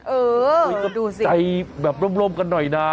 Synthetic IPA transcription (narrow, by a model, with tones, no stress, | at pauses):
ʔɤː˧˩˧ka˦˩duː˧si˨t͡ɕa˧jbɛː˨˩p̚ɾo˦˥mɾo˧mka˧nːɔ˨˩jnaː˦˥